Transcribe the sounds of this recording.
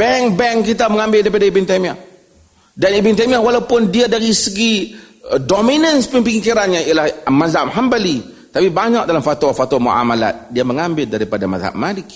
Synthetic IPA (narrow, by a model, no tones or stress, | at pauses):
b̥ɛŋbɛŋkit̪aməŋambɪldaɾipadaibɪnt̪amiah | danibɪnt̪amiahwalawpʊndiadaɾisəɡi | dominənspimpiŋikiɾanɲaialahmazamɦambəli | t̪apibaɲak̚dalamfat̪wafat̪wamṵʔa̰mala̰t̪̚diaməŋambɪldaɾipadama̰za̰ʔmalɪk̚